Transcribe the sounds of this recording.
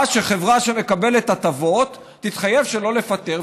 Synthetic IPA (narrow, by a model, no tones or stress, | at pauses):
ʃeχe̞vʁaʃeme̞kabe̞let̪at̪avo̞t̪ːit̪χaje̞vʃe̞lo̞le̞fat̪eʁ